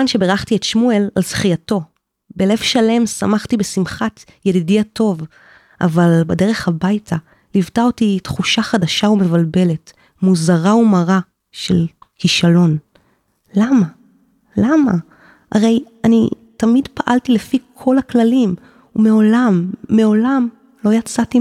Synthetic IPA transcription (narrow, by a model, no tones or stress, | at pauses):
anʃe̞beʁaχtietʃmue̞lalsχijato̞ | bele̞vʃale̞msamaχtibe̞simχat | jedidiatʰo̞v | ʔa̰valbede̞ʁe̞χhabajtʰa | livtaotitχuʃaχadaʃaumevalbe̞le̞t | muzaʁaumaʁa | ʃe̞̰lkiʃalo̞n | lama | lama | ʔa̰ʁe̞j | ani | tamidpaʔaltilefikʰo̞laklalim | umeo̞lamːe̞o̞lam | lo̞jat͡sati